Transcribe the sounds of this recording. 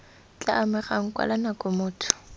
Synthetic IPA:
t͡ɬʼaːmɪχaŋ̩kʼwa̰lanakʼʊmʊːtʰʊ̥

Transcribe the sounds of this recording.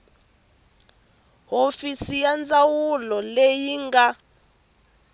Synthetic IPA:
ɦofisijand͡zʼawulɔlejiŋɡa

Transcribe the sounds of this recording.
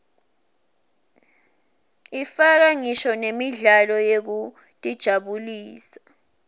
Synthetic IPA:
ifak̬aŋiʃɔnemiɮalɔjek̬u | tʼid̥ʒ̥ʱaɓuliːsḁ

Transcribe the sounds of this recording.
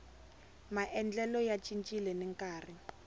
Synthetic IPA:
maʔɛnd͡ɮɛlɔjat͡ʃʼint͡ʃʼilɛnɛŋkʼaːri

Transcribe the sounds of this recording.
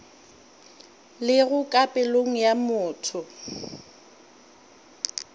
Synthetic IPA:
lɪɣʊkʼapʼɪloŋ̩jamʊːtʰʊ

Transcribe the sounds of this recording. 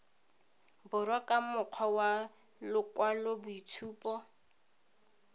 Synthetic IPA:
bʊrwakʼamʊq͡χʰwawa | lʊkʼwalɔbʊitʰuːpʼɔ

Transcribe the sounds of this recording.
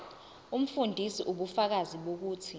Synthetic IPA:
um̩fundʱisiʔuɓufak̬aziɓok̬uːtʰi

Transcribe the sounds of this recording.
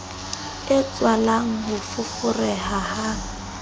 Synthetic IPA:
ɪt͡sʼwalaŋ̩ɦʊfʊfʊrɛhahaŋ̩

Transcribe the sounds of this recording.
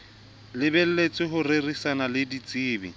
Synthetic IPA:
lɪbɛl̩let͡sʼɪɦʊrerisanalɪdit͡sʼiːbḭ

